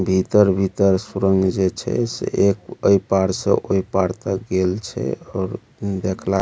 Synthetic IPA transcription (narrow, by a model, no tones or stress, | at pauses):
bʱit̪əɾbʱit̪əɾsuɾəŋɡd͡ʒet͡ʃʰɛ̰sḛʔekəjpaɽsə̰̃ʔoipaɽt̪əɡelt͡ʃʰɛ̰ɔɾ | d̪ekʰla